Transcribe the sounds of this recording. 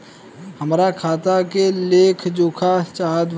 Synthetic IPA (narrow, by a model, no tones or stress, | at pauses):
həmɾakʰaːt̪akeleːkʰd͡ʒoːkʰat͡ʃaːd̪ʋ